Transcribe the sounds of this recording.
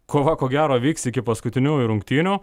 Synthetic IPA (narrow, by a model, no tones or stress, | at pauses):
kʰoːʋɐkoːɡʲæːɾoːʋʲiːksɪkʲɪpɐskʊt̪ʲɪnʲuːɪɾʊŋkt̪ʲiːnʲuː